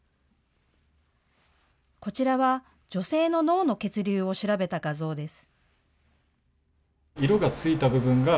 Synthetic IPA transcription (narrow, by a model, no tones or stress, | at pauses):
ko̞t͡ɕiɾaβa | d͡ʑo̞se̞ːno̞no̞ːno̞ke̞t͡sɨɾʲɨːo̞ɕiɾabe̞t̪aɡazo̞ːd̪e̞sɨ̥ | iɾo̞ɡat͡sɨit̪abɯ̟bɯ̟̃ŋɡa